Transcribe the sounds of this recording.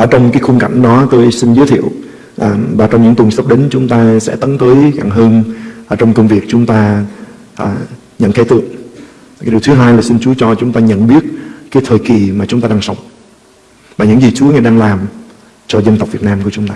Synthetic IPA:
ʔəː˧˩t͡ɕɔ˧wŋ͡mkaː˨˦jxʊ˧ŋ͡mka˧˩jŋ̟ɗɔ˨˦t̪o˧jsï˧n̟zəː˨˦jt̪ʰḭ˧˨əw | ʔːvaː˨˩t͡ɕɔ˧wŋ͡mɲɨ̰˧˥ŋt̪wə˨˩ŋsə˦˥k͡p̚ɗe˨˦nt͡ɕʊ˨˦ŋ͡mt̪aː˧sɛ̰˧˥t̪ə˨˦nt̪əː˨˦jɣa˧˩ŋɦəː˧nʔəː˧˩t͡ɕɔ˧wŋ͡mkə˧wŋ͡mvi˨˩ək̚t͡ɕʊ˨˦ŋ͡mt̪aː˧ | ʔəː˨˩ | ɲə̰˧˨nkʰɛ˧˩jt̪ɨ̰˧˨əŋ˨˩ | ɗi˨˩əwt̪ʰɨ˨˦ɦaː˧jlaː˨˩sï˧nt͡ɕu˨˦t͡ɕɔ˧t͡ɕʊ˨˦ŋ͡mt̪aː˧ɲə̰˧˨nɓi˦˥ət̚kaː˨˦jt̪ʰəː˨˩jki˨˩maː˨˩t͡ɕʊ˨˦ŋ͡mt̪aː˧ɗaː˧ŋsə˨˦wŋ͡m | vaː˨˩ɲɨ̰˧˥ŋzi˨˩t͡ɕu˨˦əŋa˨˧˩jɗaː˧ŋlaː˨˩m | t͡ɕɔ˧zə˧nt̪k͡p̚vi˨˩t̚naː˧mku˧˩t͡ɕʊ˨˦ŋ͡mt̪aː˧

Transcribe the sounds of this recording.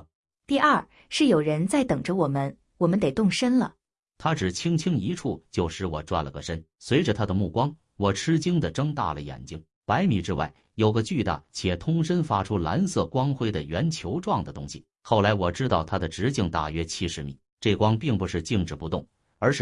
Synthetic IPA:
t̪i˥˧ʔɐ˞˥˩ | ʂɻ̩˥˩jo˨˩ʊɻə˧˥nt͡sa˥˩ɪt̪ɤ˨˩ŋʈ͡ʂə˦wɔ˨˩mə˦n | wɔ˨˩mə˦nt̪e˨˩ɪt̪ʊ˥˩ŋʂə˥nlə̰˨ | t̪ʰa˥ʈ͡ʂɻ̩˨˩t͡ɕʰi˥ŋt͡ɕʰi˥ŋi˧˥ʈ͡ʂʰu˥˩t͡ɕjo˥˧ʊʂɻ̩˥˩wɔ˨˩ʈ͡ʂwa̰˥˩nlə˩ɡə˩ʂə˥nswe˧˥ɪʈ͡ʂə˧t̪ʰa˥d̪ə˨mu˥˩kwɑ˥ŋ | wɔ˨˩ʈ͡ʂʰɻ̩˥t͡ɕi˥ŋd̪ə˨ʈ͡ʂɤ˥ŋt̪a̰˥˩lə̰˩jɛ̰˨˩nt͡ɕi˥ŋ | pa˧˥ɪmi˨˩ʈ͡ʂɻ̩˥wa̰˥˩ɪ | jo˨˩ʊɡə˧t͡ɕy˥˧t̪a̰˥˩t͡ɕʰjɛ˨˩t̪ʰʊ˥ŋʂə˥nfa˥ʈ͡ʂʰu˥la̰˧˥nsɤ˥˩kwɑ˥ŋxwe˥ɪd̪ə˨ɥɛ˧˥nt͡ɕʰjo˧˥ʊʈ͡ʂwɑ˥˩ŋd̪ə˩t̪ʊ˥ŋɕḭ˨ | xo˥˩ʊla˧˥ɪwɔ˨˩ʈ͡ʂɻ̩˥t̪ɑ˥˩ʊt̪ʰa˥d̪ə˨ʈ͡ʂɻ̩˧˥t͡ɕi˥˧ŋt̪a̰˥˩ɥɛ˥t͡ɕʰi˥ʂɻ̩˧˥mḭ˨˩˦ | ʈ͡ʂɤ˥˩kwɑ˥ŋpi˥˩ŋpu˧˥ʂɻ̩˥˧t͡ɕi˥˧ŋʈ͡ʂɻ̩˧˩pu˧˥t̪ʊ˥˩ŋ | ə˞˧˥ʂɻ̩˥˩

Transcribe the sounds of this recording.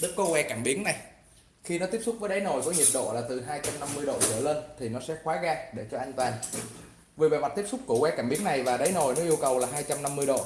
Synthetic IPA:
ɗɨ˦˥kːo˧˦kwɛ˧kaː˧˩mɓi˨˦əŋna˨˩j | xi˧nɔ˨˦t̪i˦˥əp̚sʊ˦˥k͡p̚vəː˨˦jɗə˨˦jno˨˩jkɔ˨˦ɲi˨˩əp̚ɗo̰˧˨laː˨˩t̪ɨ˨˩ɦaː˧jt͡ɕa˧mna˧mːɨ˧jɗo̰˧˨zɨ̰˧˩əle˧nt̪ʰi˨˩nɔ˨˦sɛ̰˧˥xwaː˨˦ɣaː˧ɗe˧˩t͡ɕɔ˧ʔaː˧jŋ̟t̪waː˨˩n | ve˨˩veː˨˩ma˨˩t̚t̪i˦˥əp̚sʊ˦˥k͡p̚ku˧˩əkwɛ˧kaː˧˩mɓi˨˦əŋna˨˩jvaː˨˩ɗə˨˦jno˨˩jnɔ˨˦ʔi˧əwkə˨˩wlaː˨˩ɦaː˧jt͡ɕa˧mna˧mːɨ˧əjɗo̰˧˨

